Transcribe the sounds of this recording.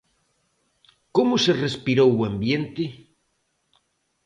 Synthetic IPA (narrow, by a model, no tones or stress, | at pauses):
komoserespiɾowuambjent̪ɪ